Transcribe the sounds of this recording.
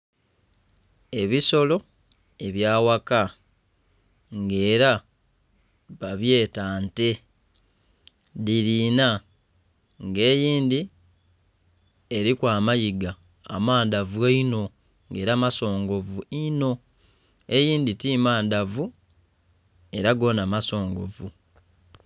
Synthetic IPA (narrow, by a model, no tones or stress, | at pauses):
e̞βiso̞lo̞ | e̞βjaːwaka | ŋɡe̞ːɾa | βaβje̞ːtaːnte̞ | diɾiːna | ŋɡe̞ːjiːnd̪i | eɾikwaːmajiɡa̰ː | maːndavueino̞ | ŋɡe̞ːɾamaso̞ːŋɡo̞vuino̞ | e̞jiːnditimaːndavu | e̞ɾaɡo̞namaso̞ːŋɡo̞̰vu